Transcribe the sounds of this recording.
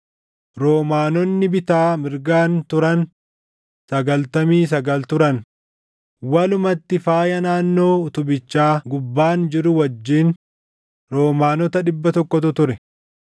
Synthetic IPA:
ɾoːmaːnɔnːɪbɪt̪aːmɪɾɡaːnt̪ʊɾɐn | sɐɡɐlt̪ɐmiːs̬ɐɡɐlt̪ʊɾɐn | wɐlʊmɐt̪ːɪfaːjɐnaːnːoːʊt̪ʊbɪt͡ʃːaːɡʊbːaːnd͡ʒɪɾʊwɐd͡ʒːiːn | ɾoːmaːnɔt̪ɐᶑɪbːɐt̪ɔkːɔt̪ʊt̪ʊɾɛ

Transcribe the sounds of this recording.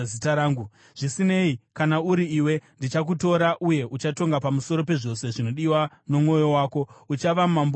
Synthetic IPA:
itaɾaːŋɡu | ʐ̥isine̞ikanauɾiiːwe̞ndit͡ʃak̬uto̞ɾaʔuje̞ʔut͡ʃato̞ŋɡapamuso̞ɾo̞pe̞ʐo̞se̞ʐino̞ɗiwa | no̞mŋo̞jo̞waːko̞ut͡ʃaʋamamb

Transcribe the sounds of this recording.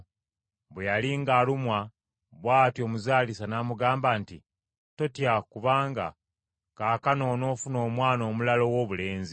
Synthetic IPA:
βwejaliŋɡaːlumwa | βwaːtjo̞ːmuzaːlisanamuɡaːmbanti | to̞tjakuβaːŋɡa̰ | kaːkano̞ːno̞ːfuno̞ːmwaːno̞ːmulalo̞wo̞ːβule̞ːnzi

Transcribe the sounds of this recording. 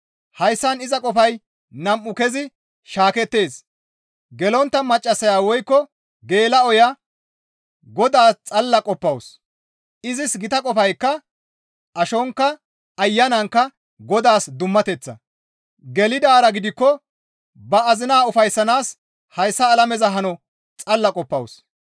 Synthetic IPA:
hɐjsːɐnɪzɐkʼɔfɐj | nɐmʔʊkɛzɪ | ʃaːkɛt̪ːe̞ːs | ɡɛlɔnt̪ːɐmɐt͡ʃʼːɐsɐjaːwɔjkːɔ | ɡe̞ːlɐɔjɐ | ɡɔd̪aːt͡sʼɐlːɐkʼɔpːɐws | ɪzɪsɡɪt̪ɐkʼɔfɐjkːɐ | ʔɐʃɔŋkːɐ | ɐjːɐnɐŋkːɐ | ɡɔd̪aːsd̪ʊmːɐt̪ɛt͡sːɐ̰ | ɡɛlɪd̪aːɾɐɡɪd̪ɪkːɔ | bɐːzɪnaːʊfɐjsːɐnaːs | hɐjsːɐːlɐmɛzɐɦɐnɔ | t͡sʼɐlːɐkʼɔpːɐ̰ws

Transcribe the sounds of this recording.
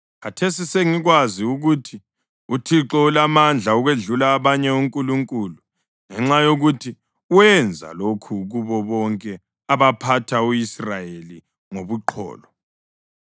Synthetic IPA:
ɣatʰesiseŋiɣwaziuɣutʰi | utʰiǁɔulamand͡ɮʱauɣweɮulaːβaɲɛuŋkʼuluŋkʼulu | ŋɛŋ͡ǁajoɣutʰi | uwɛnd͡zʱa̰lokʰuɣuβɔβɔŋkʼɛ | aβapʰatʰauisrajeli | ŋoβuǃʰɔ̰ːlɔ

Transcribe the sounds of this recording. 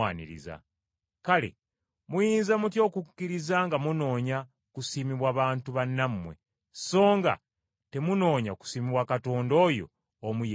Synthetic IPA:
aːnḭɾḭza̰ | kale̞̰ | mujiːnzamutjo̞ːkukːiɾizaŋɡamuno̞ːɲa | kusimiβwaːβaːntuβanːamːwe̞̰ | so̞ːŋɡa̰ | te̞muno̞ːɲaku̥siːmiβwakato̞ːndo̞jo̞̰ː | muj

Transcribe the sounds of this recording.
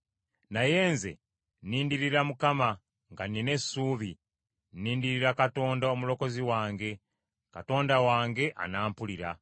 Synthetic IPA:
naje̞ːnze̞̰ | nːiːndiɾiɾamukama | ŋɡanine̞suːβi | nːiːndiɾiɾakato̞ːndaomulo̞ko̞ziwaːŋɡe̞ | kato̞ːndawaːŋɡe̞ʔa̰naːmpuliɾa

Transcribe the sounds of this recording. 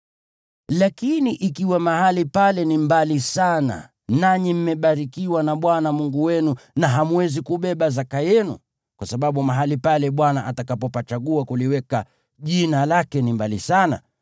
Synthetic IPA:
lakiniʔikiwamahalipalɛnimbalisana̰ | naɲim̩mɛɓaɾikiwanaɓwanamuŋɡuwɛnunaɦamuɛzikuɓɛɓazakajɛnṵ | kwasaɓaɓumaɦalipalɛɓwanaʔatakapɔpat͡ʃaɠuakuliwɛka | ʄinalakɛnimbalisana̰

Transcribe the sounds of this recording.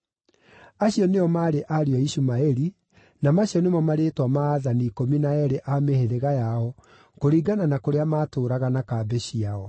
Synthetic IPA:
aɕijɔneɔmaːɾeʔaɾiɔiɕumaeɾi | namaɕiɔnemamaɾetwamaːðanikominaɛɾeʔameheɾeɣajaɔ | koɾiːɡananakoɾeamaːtoːɾaɣanakaːbɛɕiaɔ

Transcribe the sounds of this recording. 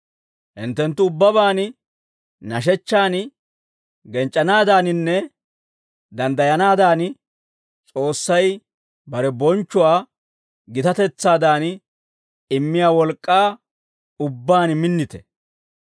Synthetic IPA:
hɪnt̪ːɛnt̪ːʊːbːɐβaːn | nɐʃ̬ɛt͡ʃːaːn | ɡɛnt͡ʃʼːɐnaːd̪aːnɪnːɛ | d̪ɐnd̪ɐjɐnaːd̪aːn | t͡sʼo̞ːsːɐj | bɐɾɛbɔnt͡ʃːʊwaː | ɡɪt̪ɐt̪ɛt͡sːaːd̪aːn | ɪmːɪjaːwɔlkʼːaː | ʊbːaːnmɪnːɪt̪ɛ̥

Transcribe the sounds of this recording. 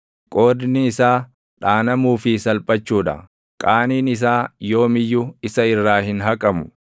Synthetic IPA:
kʼo̞ːdɪnɪːsaː | ᶑaːnɐmuːfɪsɐlpʼɐt͡ʃːuːᶑɐ̰ | kʼaːniːnɪs̬aːjo̞ːmɪjːʊɪsɐɪrːaːhɪnɦɐkʼɐmʊ̥

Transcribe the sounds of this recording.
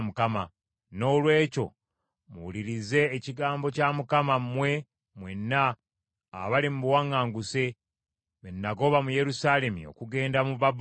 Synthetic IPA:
mukama | no̞ːlwe̞ːco̞̰ | mṵwuliɾize̞ːciɡaːmbo̞camukamammwe̞ | mwenːa̰ː | βalimubuwaŋːaːŋɡuse̞ | βenːaɡo̞βamuje̞ɾusaːle̞mḭo̰kuɡe̞ːndamuβab

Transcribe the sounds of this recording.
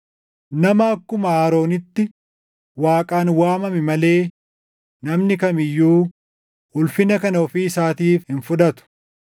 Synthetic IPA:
nɐmɐːkːʊmɐaːɾo̞ːnɪt̪ːɪ | waːkʼaːnwaːmɐmɪmɐle̞ː | nɐmnɪkɐmɪjːuː | hʊlfɪnɐkɐnɐɔfiːɪsaːt̪iːfhɪnfʊd̪ɐt̪ʊ̥

